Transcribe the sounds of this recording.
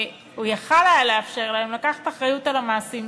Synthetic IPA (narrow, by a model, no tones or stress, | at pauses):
ujaχalealeafʃe̞ʁlahemlakaχḁt̪aχʁajutalamaːsim